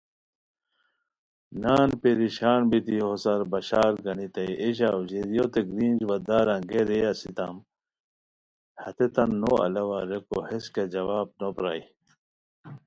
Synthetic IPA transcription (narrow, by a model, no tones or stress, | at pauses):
naːnpeɾiɕaːnbit̪iɦosɐɾbɐɕaːɾɡɐnit̪ɐiʔeɕ̬auʑeɾijot̪eɡɾiːnd͡ʑwɐd̪aːɾãɡeɾejasit̪am | hɐt̪et̪ɐnːoɐ̰lɐwaɾekohesked͡ʑɐwaːb̚nopɾa̰j